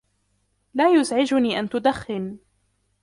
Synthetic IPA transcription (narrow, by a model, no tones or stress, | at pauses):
laːjʊzʕɪd͡ʒʊniːʔant̪ʊd̪axːɪn